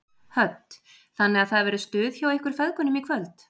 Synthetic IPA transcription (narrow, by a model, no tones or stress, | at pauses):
hœt̪ | θanːɪɣaðθaðvɛɾʏst̪ʏːðçawehkʏɾ̥fɛðkʏnʏmikʰvœlt̪